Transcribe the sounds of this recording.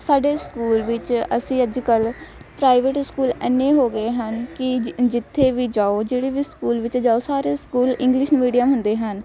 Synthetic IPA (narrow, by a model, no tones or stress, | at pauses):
saːɖeːskuːlʋɪt͡ʃəsĩːəd͡ʒkəlpɾaːiʋeːʈskuːlɛnːẽːɦoːɡəeːɦənkɪd͡ʒɪt̪ʰːeːʋiːd͡ʒaːoːd͡ʒeːɽeːʋiːskuːlʋɪt͡ʃd͡ʒaːoːsaːɾeːskuːlɪ̃ŋɡlɪʃmiːɖijəmɦʊnd̪eːɦən